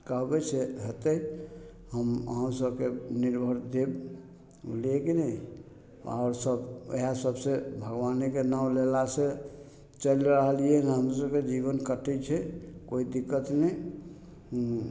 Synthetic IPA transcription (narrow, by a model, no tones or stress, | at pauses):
kəɦbɛseɦət̪əi | ɦəmə̰ɦə̃səb̚keniɾbʱəɾd̪eb | ṵlekenəi | a̰ʊɾsəbḛasəbsebʱəɡʋanekenawlelase | t͡ʃəlɾəɦəlijenɦəms̬əbked͡ʒibənkəʈɛt͡ʃʰɛkoid̪ikːət̪nɛi